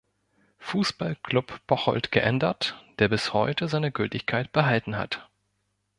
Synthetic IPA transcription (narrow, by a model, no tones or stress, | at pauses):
fuːsb̥alkʰlʊpb̥ɔχɔ̰ltɡ̥əʔɛ̰ndɐtd̥eːɐbɪshɔ̰ʏtəzaɪnəɡʏltɪçkʰaɪt̚b̥əɦaltn̩ɦa̰t